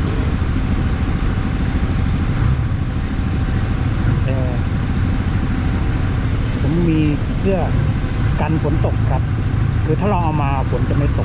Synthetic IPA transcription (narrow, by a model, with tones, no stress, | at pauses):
ʔː | ʔɛː˧˩ | pʰo˩˦mːiː˧ | pʰɯ˥˩ɐ | ka˧nfʰo˩˦nt̪o˨˩k̚kʰa˦˥p̚ | kʰɯː˧t̪ʰaː˥˩ɾa˧wʔa˧wmaː˧pʰo˨˩˦nt͡ɕa˨˩ma˥˩jt̪o˨˩k̚